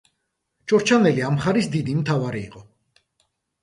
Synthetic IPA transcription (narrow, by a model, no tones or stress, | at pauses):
t͡ʃʰʼɔɾt͡ʃʰanɛliamχaɾisd̪id̪imt̪ʰavaɾiːqʼɔ